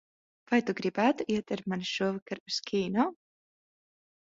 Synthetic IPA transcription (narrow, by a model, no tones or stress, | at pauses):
vajt̪uɡɾibaːt̪uʔiɛt̪ɨɾmaniʃuɔvakaɾuskʲʰiːnɔ